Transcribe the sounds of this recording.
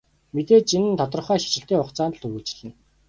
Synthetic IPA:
met̪eːt͡ɕinɘ̆nt̪ʰɔt̪rə̆χæːxi̥t͡ɕɪ̆ɬt̪eːʊqt͡saːnt̪ə̆ɮɵɣuːt͡ɕɪ̆ɮɘ̆n

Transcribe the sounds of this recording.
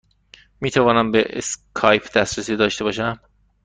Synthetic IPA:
miːt̪ʰævɒːnæmbeʔḛskʰɒːjpʰd̪̥æst̪ɾæsiːd̪ɒːʃt̪e̞bɒːʃæm

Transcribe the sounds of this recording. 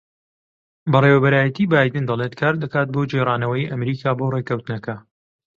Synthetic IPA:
bɐrewɐbɐɾaːjɐt̪iːbaːjd̪ɨnd̪ɐlˠet̪kʰaːɾd̪ɐkaːt̪̚boːd͡ʒeraːnɐwɐjiʔɐmɾiːkʰaːboːrekɐwt̪ɨnɐkɐ

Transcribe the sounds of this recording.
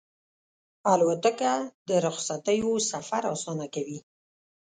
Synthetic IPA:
alwat̪əkad̪əɾʊxsat̪əjosafaɾasɑnakawi

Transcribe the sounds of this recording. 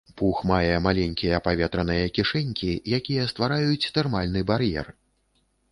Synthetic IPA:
puxmajɛmalʲɛnʲkʲijɐpavʲɛt̪ɾɐnɨjɐkʲiʂɛnʲkʲijakʲijɐst̪vaɾajut͡sʲt̪ɛrmalʲnɨbarjɛ̰r

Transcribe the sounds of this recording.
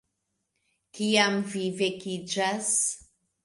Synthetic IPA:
kiamvivekid͡ʒas

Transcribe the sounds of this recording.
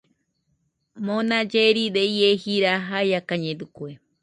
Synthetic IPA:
mõnãd͡ʒeɾid̪eiehiɾaɦajakaɲẽd̪ukue

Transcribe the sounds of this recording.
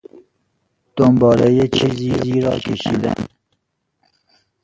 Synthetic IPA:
d̪̥ombɑːɾejet͡ʃʰiziziːɾɑ̰ːkʰeʃḭd̪æ̰n

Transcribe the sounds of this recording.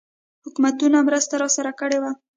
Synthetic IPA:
hʊkmat̪unamɾəst̪aɾɑsaɾakəɽewa

